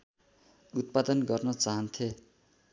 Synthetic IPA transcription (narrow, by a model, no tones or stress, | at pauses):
ut̪̚pad̪ʌnɡʌrnʌt͡saɦʌnt̪ʰe